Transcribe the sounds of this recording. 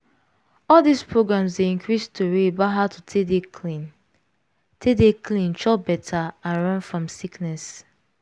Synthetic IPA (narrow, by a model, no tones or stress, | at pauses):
ɔldispɹoɡɹãmsdeĩŋkɹistʰuɹebaɦatʰutʰedeklin | tʰedeklĩnt͡ʃɔbɛtʰaãnɹɔ̃nfɹɔ̃msiknɛs